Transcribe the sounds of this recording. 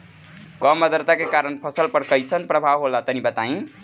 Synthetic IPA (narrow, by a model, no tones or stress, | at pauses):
kɔmːəd̪əɾt̪akekaɾənpʰəsəlpəɾkəjt͡sʰənpɾəbʱaʋɦolat̪ənibət̪aĩ